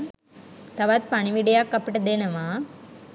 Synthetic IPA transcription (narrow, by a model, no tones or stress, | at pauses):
t̪ɐʋaːt̪̚pɐɳimiɖijaːkːɐpːiʈɐd̪eːnɐmaː